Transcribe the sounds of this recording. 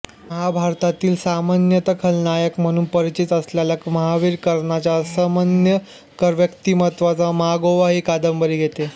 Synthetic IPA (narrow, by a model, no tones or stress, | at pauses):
məɦabʱaɾt̪at̪iːlsamanjət̪əkʰəlnajəkm̤əɽ̃uːnpəɾit͡ɕit̪əsljaljakməɦaʋiːɾkəɾɳat͡ɕasəmanjə | kəɾʋjəkt̪imət̪ʋat͡saməɦaɡoʋaɦiːkad̪əmbəɾiːɡʱet̪e